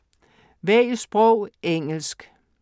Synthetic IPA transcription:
ʋɛisb̥ʁɔʊ̰eŋ̰l̩sɡ̥

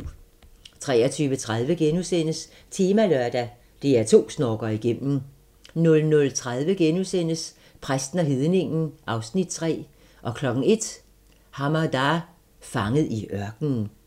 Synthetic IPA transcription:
t͡sʰʁɛːɐt͡sʰyːʋət͡sʰʁað̞ˠʋəɡ̥enusen̰əs | t͡sʰeːmælɶɐd̥æ | d̥e̝æɐt͡sʰo̝̰ːsnɒːɡ̥ɐiɡ̥em̰m̩ | nɔ̽lnɔ̽lt͡sʰʁað̞ˠʋəɡ̥enusen̰əs | pʰʁasd̥n̩æɦiðˠne̝ŋn̩ʔɑ̈ʊsnid̥̚t͡sʰʁɛ̰ː | ʔɒ̽kʰlɒ̽ɡ̥ŋ̩e̝d̥ | hɑ̈mɑd̥ɑ̈ | fɑ̈ŋəð̞̩ˠiʔɶɐɡ̥nən

